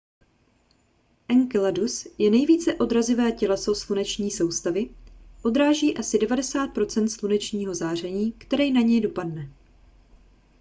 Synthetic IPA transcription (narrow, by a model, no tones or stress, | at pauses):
ʔɛŋkɛladusjɛnɛjviːt͡sɛʔo̞d̪ɾazɪvɛːcɛlɛso̞slunɛt͡ʃɲiːso̞wst̪avɪʔo̞d̪ɾaːʒiːʔasɪdɛvadɛsaːt̪̚pɾo̞t͡sɛnt̪slunɛt͡ʃɲiːɦo̞zaːr̝ɛɲiːkt̪ɛɾɛjnaɲɛjdo̞padnɛ